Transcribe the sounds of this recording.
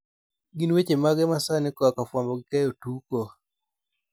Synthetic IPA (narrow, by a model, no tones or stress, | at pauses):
ɡiniwet͡ʃɛmaɡɛmasanɛkɔakafwambɔkikɛjɔtukɔ